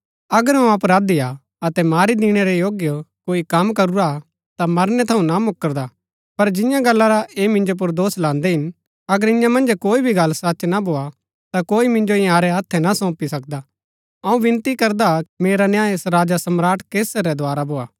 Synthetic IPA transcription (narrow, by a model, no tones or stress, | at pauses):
ɐɡəɾɦɐũɐpɾaːd̪ia | ɐt̪ɛmaːɾid̪iːɽ̃ɛɾɛjoːɡjəkoːikɐmkɐɾuɾa | t̪amɐɾnɛt̪ʰɐũnamʊkːəɾd̪a | pɐɾd͡ʒɪ̃jãɡɐlːaɾaeːmɪ̃nd͡ʒop̬ʊɾd̪oːslãːnd̪ɛɦɪn | ɐɡəɾɪ̃jãmɐ̃nd͡ʒkoːibʱiɡɐlsɐtːt͡ʃʃnabʱoːa | t̪akoːimɪ̃nd͡ʒoɪ̃aːɾɛɦat̪ʰːɛnasɔ̃ːpisɐk̚d̪a | ɐũʋɪ̃nt̪ikɐɾd̪ameːɾanjãːesɾaːd͡ʒasɐmɾaːʈkeːsəɾɛd̪aːɾabʱoːaː